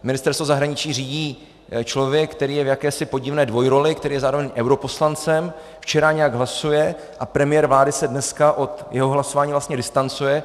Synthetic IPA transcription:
mɪnɪst̪ɛɾst̪vozaɦɾaɲɪt͡ʃiːriːɟiː | t͡ʃlo̞vjɛk̚kːt̪ɛɾiːjɛvjakɛːsɪpo̞ɟɪvnɛːdvo̞jɾo̞lɪkt̪ɛɾiːjɛzaːɾovɛɲʔɛwɾo̞po̞slant͡sɛm | ft͡ʃɛɾaɲɛjaɡɦlasujɛ | ʔapɾɛmɪjɛɾvlaːdɪsɛdnɛskaʔo̞t̪jɛɦoɦlaso̞vaːɲiːvlast̪ɲɛdɪst̪ant͡sujɛ

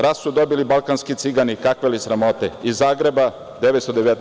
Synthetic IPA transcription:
ɾassud̪o̞bilibalˠkanskit̪siɡanikakʋelisɾamo̞t̪eizːaːɡɾe̞ba | d̪eʋet̪st̪od̪eʋet̪n

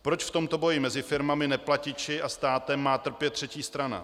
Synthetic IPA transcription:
pɾo̞t͡ʃft̪o̞mt̪o̞bo̞jɪmɛzɪfɪɾmamɪnɛplacɪt͡ʃɪʔast̪aːt̪ɛmːaːt̪r̩pjɛt̪r̝̥ɛciːst̪ɾana̰

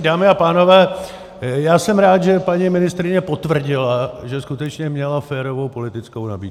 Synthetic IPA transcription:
daːmɪapaːno̞vɛː | jaːsɛmɾaːt̪ʒɛpaɲimɪnɪst̪ɾɪɲɛpot̪vr̩ɟɪlaʒɛskut̪ɛt͡ʃɲɛmɲɛlafɛːɾo̞vo̞wpo̞lɪt̪ɪt͡skowna̰biːd̪

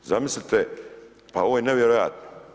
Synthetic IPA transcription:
zamislʲit̪e | pao̞ʋojeneʋjeɾoja̰t̪no̥

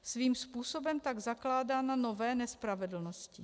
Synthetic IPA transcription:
sviːmspuːso̞bɛmt̪aɡzaklaːdaːnano̞vɛːnɛspɾavɛdl̩noscɪ

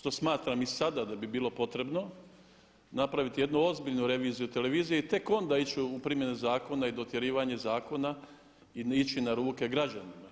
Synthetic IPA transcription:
ʃt̪o̞smaːt̪ɾamisad̪ad̪abibiːlo̞po̞t̪ɾe̞bno̞ | napɾaʋit̪ije̞d̪nuo̞zbiʎnuɾe̞ʋiːzijut̪e̞le̞ʋiːzijeit̪e̞ko̞nd̪ait͡ɕuupɾimje̞nezaːko̞naid̪o̞t̪je̞ɾiːʋaɲe̞zaːko̞na | iit͡ɕinaɾuːke̞ɡɾad͡ʑanima

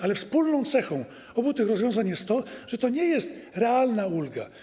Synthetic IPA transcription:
alɛfspulnɔ̃w̃t̪sɛxɔ̃w̃ | ɔbut̪ɘxɾɔzvʲjɔ̃w̃zaɲjɛst̪ːɔʐ̥ɛt̪ɔɲɛjɛst̪ɾɛalnaulɡa̰

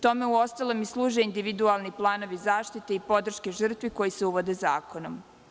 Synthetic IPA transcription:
t̪o̞me̞uo̞st̪alˠomislˠuːʒeind̪iʋid̪ualˠniplˠaːno̞ʋizaːʃt̪it̪e̞ipo̞d̪r̩ʃkeʒr̩t̪ʋiko̞jise̞uʋo̞d̪eza̰ːko̞no̞m

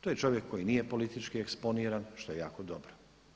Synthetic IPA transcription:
t̪ojet͡ʃo̞ʋje̞kʰːo̞jinijepo̞lit̪it͡ʃkieksponiːɾanʃt̪o̞jeja̰ːkod̪obɾo

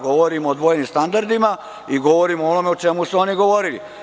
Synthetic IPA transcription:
ɡo̞ʋoɾimod̪ʋojnimst̪and̪aɾd̪ima | iɡo̞ʋoɾimoonomeot͡ʃe̞musuo̞niɡo̞ʋo̞ɾilḭ

